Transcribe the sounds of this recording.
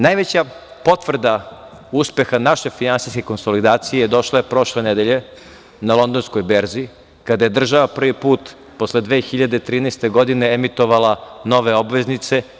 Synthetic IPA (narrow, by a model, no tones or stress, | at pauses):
najʋet͡ɕapo̞t̪ʋr̩d̪a | uspe̞xanaʃefinansiskʲeko̞nso̞lid̪aːt̪sijejed̪o̞ʃlaepɾo̞ʃle̞ned̪eʎe̞ | nalˠo̞nd̪o̞nskojbeɾziː | kad̪aje̞d̪r̩ʒaʋapr̩ʋipuːt̪ | poslˠed̪ʋe̞ːxiʎad̪et̪ɾiːnest̪e̞ɡo̞d̪ine̞emit̪oʋalˠanoʋe̞o̞bʋe̞znit̪se̞